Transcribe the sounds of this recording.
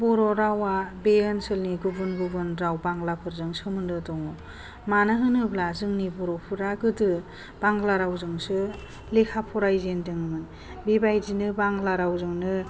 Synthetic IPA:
bɔɾɔɾawabejɯnsɯlniɡubɯnɡubɯnɾawbaŋɡlapʰɯɾzɯŋsɯmɯndɯdɔŋɔ | manɯɦɯnɯblazɯŋnibɔɾɔpʰɯɾaɡɯdɯ | b̥aŋɡlaɾawzɯŋsɯ | lekʰapʰɔɾajzendɯŋmɯ | bibajzinɯbaŋɡlaɾawzɯŋnɯ

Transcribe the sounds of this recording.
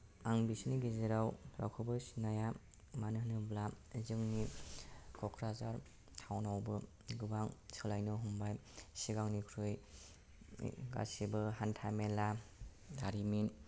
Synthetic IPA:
aŋbisiniɡeziɾawɾʔa̰wkʰɯbɯsinaja | manɯnɯbla | zɯŋni | kʰɔkʰɾazaɾ | tʰawnawbɯ | ɡɯbaŋsɯlajnɯɦumbajsiɡaŋnikʰɾɯj | ɡa̰sibɯɦantʰamela | daɾimin

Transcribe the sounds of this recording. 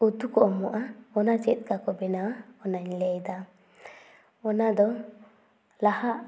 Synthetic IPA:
ut̪ukɔʔɔmɔʔaɔnat͡ʃɛt̪̚ˀkakɔbɛnawaɔnaɲlɛjd̪a | ɔnad̪ɔ | lahaʔ

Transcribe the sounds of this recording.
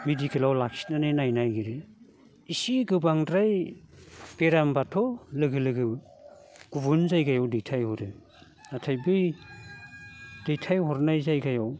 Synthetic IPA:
medikʰelawlak̚si̥nanɯnajnajɡiɾe | isiɡɯbaŋdɾaj | b̥eɾambatʰɔlɯɡɯlɯɡɯ | ɡ̥ubunzajɡajawdejtʰajhɔɾɯ | natʰajbɯj | d̥ejtʰajhɔɾnajzajɡajaw

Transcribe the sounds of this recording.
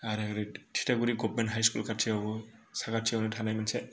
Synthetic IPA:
aɾeaɾetʰi̥taɡuɾiɡɔp̚mɛntɦajskulkʰatʰiabɔsakatʰiawnɯtʰanajmansɛ

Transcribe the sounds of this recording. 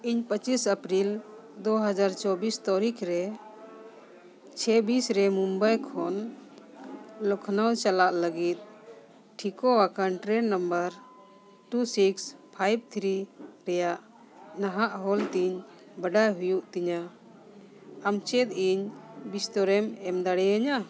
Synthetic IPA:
iɲpət͡ʃisəpɾil | d̪ɔɦad͡ʒaɾt͡ʃɔbist̪ɔɾikʰɾɛ | t͡ʃʰɛbisɾɛmumbajkʰɔn | lɔkʰnawt͡ʃalaʔləɡit̪̚ˀ | ʈʰikɔwakanʈɾɛnːəmbəɾ | ʈusikspʰajb̚t̪ʰɾiɾɛjaʔ | naɦaʔɦɔlt̪iɲ | baɖajɦujuʔt̪iɲa | amt͡ʃɛt̪̚iɲbist̪ɔɾɛmɛmd̪aɽɛaɲa

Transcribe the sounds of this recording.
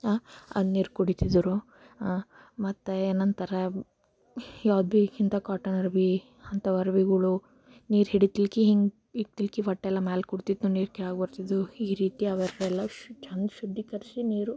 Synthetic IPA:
aɐ̰d̪niːɾkuɽit̪id̪ɾu | mɐt̪ːeenːɐnt̪ɐɾɐ | jaːd̪̚bikint̪ɐkaːʈɐnɐɾbi | ɐnt̪ɐʋɐɾʋiɡuɭu | niːɾɦiɽit̪ilkiɦiŋɡ | it̪ilkiʋɐʈːɛlːɐmaːlkuɽt̪id̪ːuniːɾkɛaːɡbɐɾt̪id̪uiːɾiːt̪iɐʋɐɾɛlːɐʃt͡ʃɐnd̪ʃud̪ːikɐɾsiniːɾu

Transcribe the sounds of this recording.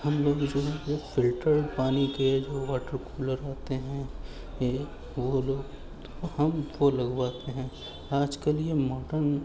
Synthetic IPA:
hɐmloːɡd͡ʒoːɦɛjofɪlʈəɾpaːniked͡ʒoːʋaːʈəɾkuːləɾaːt̪eɦɛ̃ | ʋoloːɡ | t̪ohɐmʋolɐɡwaːt̪eɦɛ̃ | aːd͡ʒkeliemɔːɖəɾn

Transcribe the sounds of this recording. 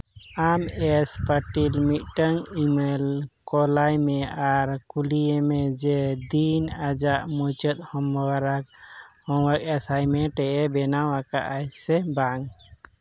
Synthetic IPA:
amɛspaʈilmit̪̚ʈəŋimɛlkɔlajmɛaɾkulijemɛd͡ʒɛd̪inad͡ʒaʔmut͡ʃɔt̪̚hɔmwaɾak̚hɔwak̚ɛsajmɛʈɛʔɛbɛnawakaʔajsɛbaŋ

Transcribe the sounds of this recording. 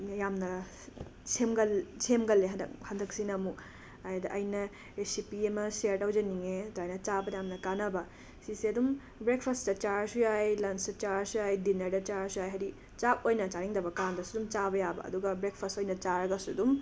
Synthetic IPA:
jamnɐ | semɡɐlsemɡɐlːedhɐnd̪ɐk̚sinɐmu | ajdɐʔɐjnɐ | ɾesipiemɐseɾtɐwd͡ʒɐniŋetajnɐt͡ʃabɐjamnɐkanɐbɐ | siseɐdum | bɾek̚pʰɐstɐt͡ʃaɾsujajlɐnstɐt͡ʃaɾsujajdinɐɾdɐt͡ʃaɾsujajɦɐɾi | t͡ʃak̚ojnɐt͡ʃaɾiŋdɐbɐkandɐsudumt͡ʃabɐjabɐ̰ɐ̰duɡɐbɾek̚pʰɐstojnɐt͡ʃaɾɐɡɐsudum

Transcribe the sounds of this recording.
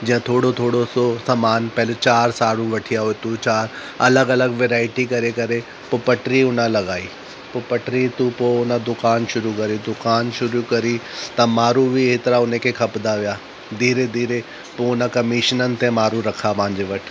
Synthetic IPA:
d͡ʑĩːə̃t̪ʰoːɽot̪ʰoːɽososɐmaːnpɛɦlet͡ɕaːɾsaːɽũʋɐʈʰijaɦoet̪ut͡ɕaːɾ | ɐləɡɐləɡʋeːɾaːɪʈikɐɾekɐɾe | popɐʈɾiʊnə̃lɐɡaːiː | poːpɐʈɾit̪upoʊnəd̪ʊkaːnʃʊɾukɐɾid̪ʊkaːnʃʊɾukɐɾit̪ɐmaːɾubʱiet̪ɪɾaʊnẽkʰekʰɐpd̪aʋijaː | d̪ʱiːɾed̪ʱiːɾe | poʊnəkɐmiːʃnənɪ̆t̪ẽmaːɾuɾɐkʰapãːɪ̃ɲd͡ʑeʋɐʈʰ

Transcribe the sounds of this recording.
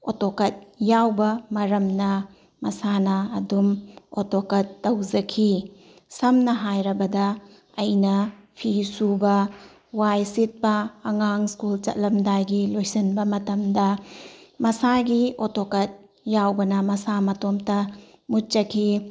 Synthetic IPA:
o̰tokɐt̚jawbɐmɐɾɐmnɐ | mɐsanɐːdumotokɐtːɐwd͡ʒɐkʰi | sɐmnɐɦajɾɐbɐdɐ | ɐjnɐpʰisubɐ | wajsit̚bɐːŋaŋskult͡ʃɐ̰t̚lɐmdajɡilojsɐnbɐmɐtɐmdɐ | mɐsaɡiotokɐt̚ | jawbɐnɐmɐsamɐtomtɐ | mut̚t͡ʃɐkʰi

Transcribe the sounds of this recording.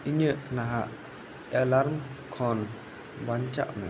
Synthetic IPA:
iɲəʔnaɦaʔ | ɛlaɾmkʰɔn | bant͡ʃa̰ʔmə

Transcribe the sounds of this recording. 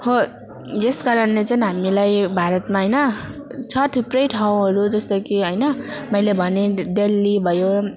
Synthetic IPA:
ho | jeskaɾʌnlet͡saĩɦamilajbʱaɾʌt̪maɦʌjnʌt͡sʰʌʈ̪ʰiprʌjʈʰaw̃ɦʌɾud͡zʌst̪ʌkiɦʌjnʌmʌjlebʱʌneɖelːibʱʌjo

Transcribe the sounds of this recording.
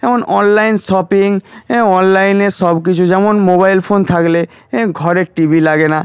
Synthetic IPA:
ɛmonʔɔnlajnʃɔpiŋɔnlajneɾʃɔbk̬it͡ɕʰud͡ʑɛmonmobajlfont̪ʰakle | ɡʱɔɾeɾʈibʱilaɡena

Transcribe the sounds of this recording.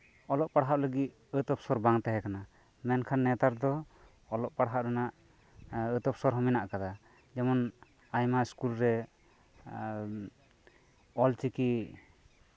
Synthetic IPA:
ɔlɔʔpaɽɦaʔləɡit̪̚ | ət̪ɔp̚sɔɾbaŋt̪ɛɦɛkana | mɛnkʰanːɛt̪aɾd̪ɔ | ɔlɔʔpaɽɦaʔɾɛnaʔ | ət̪ɔp̚sɔɾɦɔminaʔkad̪a | d͡ʒɛmɔn | ajmaiskulɾɛ | ɔlt͡ʃiki

